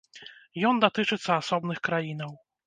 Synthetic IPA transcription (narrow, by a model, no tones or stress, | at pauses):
jɔnd̪at̪ɨt͡ʂɨt̪sːɐasɔbnɨxkɾajinɐw